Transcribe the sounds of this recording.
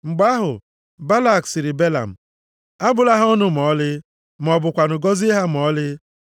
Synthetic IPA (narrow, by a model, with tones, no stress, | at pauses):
ŋ͡m̩˨ɡ͡ba˦ɦʊ̰˨ | ba˦la˦˨ksɪ˨ɾɪ˨be˦la̰˨m̩˨ | a˦bʊ˨la˦ɦa˦ʊ˦nʊ˨m̩˨ɔ˦lɪ˦ | m˨ɔ˨bʊ˨kʷa˨nʊ˨ɡɔ˦zɦa˦m̩˨ɔ˦lɪ˦